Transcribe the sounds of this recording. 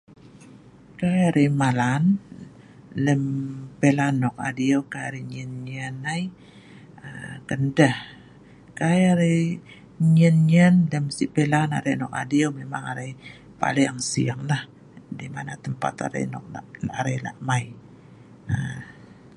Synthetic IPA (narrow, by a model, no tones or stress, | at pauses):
kajaɾemalan | ləmpelanɔk̚a̰diowkajaɾiɲənɲənaj | əkəndəh | kajaɾe | ɲənɲənləmsiʔpelana̰ɾenɔka̰diomemaŋaɾe | pa̰leaŋsḭaŋlah | dimanat̪əmpa̰t̪a̰ɾḛnɔ̰k̚a̰aɾela̰ʔmaj | ə